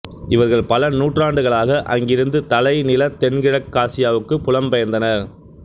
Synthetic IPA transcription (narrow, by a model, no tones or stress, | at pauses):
ɪʋɐɾɣɐɭpɐlɐnuːʈraːɳɖɯɣɐɭaːɣɐʔɐ̰ŋɡɪɾɯnd̪ɯt̪ɐlɐɪnɪlɐt̪ɛnɡɪɻɐkːaːsɪjaːʋɯkːɯpʊlɐmpɐjɐnd̪ɐnɐɾ